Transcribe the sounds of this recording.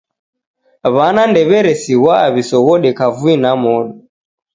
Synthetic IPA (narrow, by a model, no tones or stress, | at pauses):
βanandɛβɛɾɛsiɣwaːβisɔɣɔɗɛkavuinamɔɗɔ